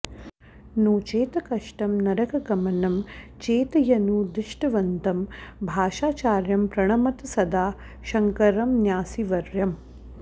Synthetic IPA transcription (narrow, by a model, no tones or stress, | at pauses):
noːt͡ʃeːt̪ɐkɐʂʈɐmnɐɾɐkɐɡɐmɐnɐmt͡ʃeːt̪ɐjɐnuːd̪ɪʃʈɐʋɐnt̪ɐmbʱaːʃaːt͡ʃaːɾjɐmpɾɐɳ̃ɐmɐt̪ɐsɐd̪aː | ʃɐŋkɐɾɐmnjaːsiʋɐɾjɐm